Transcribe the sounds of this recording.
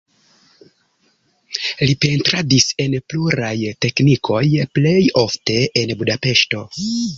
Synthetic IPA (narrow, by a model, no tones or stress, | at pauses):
lipe̞ntɾadise̞npluɾajte̞knikʰo̞jple̞jo̞fte̞enbudape̞ʃto̞